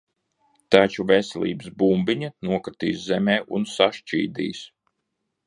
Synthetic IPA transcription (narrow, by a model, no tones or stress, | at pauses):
t̪at͡ʃuvɛsɛ̰lˠʲḭːbəsbumbiɲanuɔkɾt̪ḭːszɛmɛːʔunsaʃt͡ʃḭːd̪ḭːs